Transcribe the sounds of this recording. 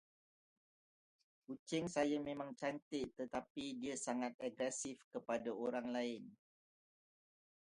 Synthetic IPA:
kut͡ʃɪŋsajamẽmãŋt͡ʃant̪ɪʔt̪ət̪apidiasaŋat̪̚aɡɾɛsɪfkəpadaoɾaŋlaɪn

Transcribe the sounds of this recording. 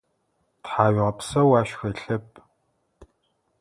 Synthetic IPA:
tħaːɥʁɐpsɐwaːʃxɐɬɐp̚ʼ

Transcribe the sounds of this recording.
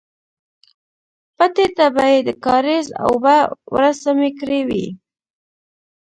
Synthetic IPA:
pat̪et̪abajed̪əkɑɾiza̰wbawɾasamekɾewḭ

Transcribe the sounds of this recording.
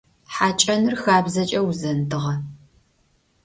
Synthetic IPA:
ħaːt͡ʃʼɐnɨrxaːbzɐt͡ʃʼɐwuzɐntʰɨʁɐ

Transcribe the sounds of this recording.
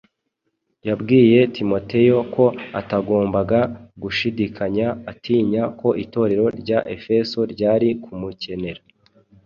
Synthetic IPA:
jabɡiːje̞tʰimo̞te̞jo̞kʰo̞a̰taɡo̞ːmbaɡaɡuʃidikʰaɲaːtʰiːɲako̞ʔito̞ɾe̞ɾo̞ɾɟaʔe̞fe̞so̞ɾɟaːɾikʰumuce̞ne̞ɾa

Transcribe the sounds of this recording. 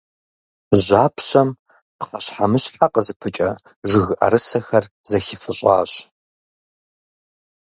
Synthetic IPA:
ʑaːpʰɕɐm | pqɐɕħamɨɕħaqəzɨpʰɨt͡ʃʼɐ | ʒɪɣʔɐ̰ɾɨsɐxɐrzɐxifɨɕʷʼɑ̰ːɕ

